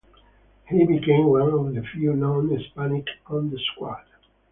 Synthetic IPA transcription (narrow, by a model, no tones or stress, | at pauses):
hibikẽɪ̃mwãnɔvðəfjulõʊ̃nɪspænɪkɔ̃nd̪əskwad